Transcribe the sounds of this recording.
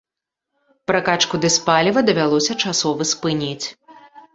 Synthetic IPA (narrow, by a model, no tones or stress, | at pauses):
pɾakat͡ʂkud̪ɨspalʲivɐd̪ɐvʲalˠɔsʲɐt͡ʂasɔvɨspɨnʲit͡sʲ